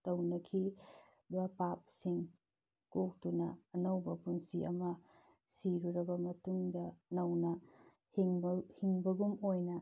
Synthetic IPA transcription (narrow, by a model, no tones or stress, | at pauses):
tɐwnɐkʰi | bɐpap̚siŋ | kok̚tunɐːnɐwbɐpunsiʔɐmɐ | siɾuɾɐbɐmɐtuŋdɐnɐwnɐ | ŋhiŋbɐɡumojnɐ